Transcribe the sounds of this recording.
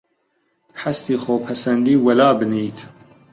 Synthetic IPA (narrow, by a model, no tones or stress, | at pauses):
ħast̪iːxoːpʰɐsɛnd̪iːwɐlaːbɨniːt̪ʰ